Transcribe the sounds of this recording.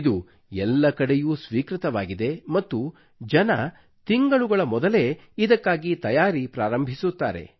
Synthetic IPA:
d̪u | ɛlːɐkɐɽejuːsʋiːkɾit̪ɐʋaːɡid̪e̞mɐt̪ːu | d͡ʒɐnɐ | t̪iŋɡɐɭuɡɐɭɐmɔd̪ɐle̞ | id̪ɐkːaːɡit̪ɐjaːɾipɾaːɾɐmbʱisut̪ːa̰ːɾe̞̰

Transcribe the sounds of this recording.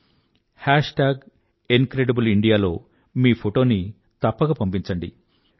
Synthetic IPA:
haːʂʈaːɡ | enkɾeɖɐbuliɳɖijaːlo̞̰ː | miːpʰoʈo̞ːni | t̪ɐpːɐɡapɐmp̬iɲt͡ʃɐɳɖi

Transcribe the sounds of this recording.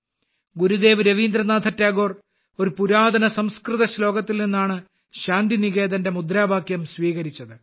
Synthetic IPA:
ɡuɾud̪e̞ːʋɾɐʋiːnd̪ɾɐnaːd̪ʱɐtːaːɡo̞ːr | o̞ɾupuɾaːd̪ɐnɐsɐmskrɨt̪ɐɕlo̞ːɡɐt̪ːilninːaːɳɨ | ɕaːnd̪iniɣe̞ːd̪ɐnde̞mud̪ɾaːbʱaːkjɐmsʋiːɣɐɾit͡ɕːɐðɨ

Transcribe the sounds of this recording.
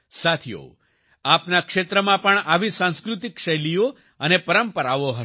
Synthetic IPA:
sat̪ʰijo̰ | apnakʃet̪ɾəmãpəɳaʋisãnskɾut̪ikʃəjlijo | ənepəɾəmpəɾaʋoɦə

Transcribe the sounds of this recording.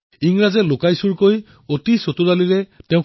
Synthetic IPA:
iŋɹazɛlʊkajsuɹkoj | otisotudaliɹɛteʊ̃

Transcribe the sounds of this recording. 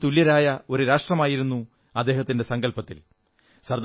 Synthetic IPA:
t̪uljɐɾaːjɐo̞ɾuɾaːʂʈrɐmaːjiɾunːu | ɐd̪ːeːɦɐt̪ːinde̞sɐŋɡɐlpɐt̪ːḭl | sɐrd̪

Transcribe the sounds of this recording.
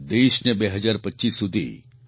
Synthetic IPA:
d̪eːʃnebeɦɐd͡ʒaːɾpɐtːʃiːsːud̪ʱḭ

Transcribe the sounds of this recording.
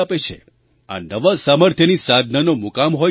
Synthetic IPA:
apet͡ʃʰḛ | a̰nəʋasaməɾt̪ʰjənisad̪ʱnənomukamɦo

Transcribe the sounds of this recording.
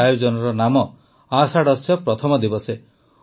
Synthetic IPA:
ajod͡ʒɔnɔɾɔnamɔ | asaɽɔsjɔpɾɔt̪ʰɔmɔd̪ibɔse

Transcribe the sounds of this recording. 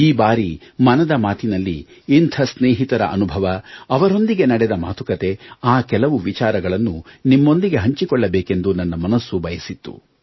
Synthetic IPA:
iːbaːɾimɐnɐd̪ɐmaːt̪ʰinɐlːiː | nt̪ʰɐsneːɦit̪ɐɾɐ̰ʔɐ̰nubʱɐʋɐːʋɐɾo̞nd̪iɡe̞nɐɽɛd̪ɐma̰ːt̪ʰukɐt̪e̞aːkɛlɐʋuʋit͡ʃaːɾɐɡɐɭɐnːunimːo̞nd̪iɡe̞ɦɐɲt͡ʃikɔɭːɐbɛːke̞nd̪unɐnːɐmɐnɐsːubʱɐjɐsit̪ːṵ

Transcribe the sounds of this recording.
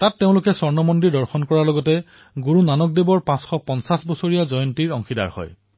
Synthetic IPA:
tatːeʊ̃lʊkɛsɔɹnɔmɔndidɔɹxɔnkɔɹalɔɡɔtɛ | ɡuɹunanɔk̚debɔɹpãsxɔpɔnsasbɔsoɹijazɔjɔntiɹɔŋxʰida̰ɹhɔ̰j

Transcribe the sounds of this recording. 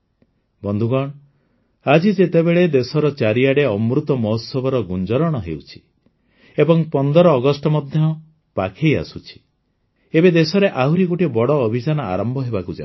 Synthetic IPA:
bɔnd̪ʱuɡɔɽ̃ɔ | ad͡ʒid͡ʒet̪ebeɭed̪esɔɾɔt͡ʃaɾiaɽeɔmɾut̪ɔmɔɦɔsɔbɔɾɔɡund͡ʒɔɾɔɽ̃ɔɦewt͡ʃʰi̥ | ebɔŋpɔnd̪ɔɾɔːɡɔsʈɔmɔd̪ʱjɔ | pakʰeja̰sut͡ʃʰi̥ | ebed̪esɔɾeʔaɦuɾiɡoʈibɔɽɔːbʱid͡ʒanɔa̰ɾɔmbʱɔɦebakud͡ʒa̰n

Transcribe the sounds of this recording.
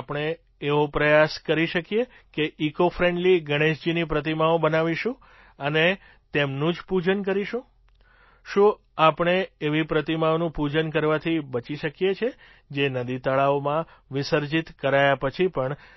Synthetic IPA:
apəɳ̃eː | ʋopɾəjaskəɾiʃəkje | keʔikofʰɾeɳɖliɡəɽ̃eʃd͡ʒinipɾət̪imaobənaʋiʃũ | əne | t̪emnũd͡ʒpud͡ʒənk̬əɾiʃũ | ʃũ | apɳ̃eːʋipɾət̪imaonũpud͡ʒənk̬əɾʋat̪ʰibət͡ʃiʃəkijet͡ʃʰe | d͡ʒenəd̪it̪əɭaomãʋɪsəɾd͡ʒit̪kəɾajapət͡ʃʰipəɳ

